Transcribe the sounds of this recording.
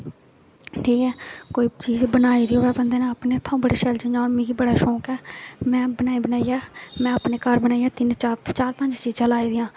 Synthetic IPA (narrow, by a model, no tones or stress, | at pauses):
ʈʰiːkɛːkoːiːt͡ʃiːd͡ʒbənaːiːd̪iːɦoːʋɛːbənd̪eːnãəpnẽːt̪ʰõːbəɽiːʃɛːlt͡ʃə̃aɔːɾmĩːɡiːbəɽaːʃɔːkɛːmɛ̃ːbənaːiːbənaːiaːmɛ̃ːapneːkəɾbənaːiːaːt̪ɪnt͡ʃat͡ʃaːɾpəɲd͡ʒt͡ʃiːzãːlaːiːd̪ɪjãː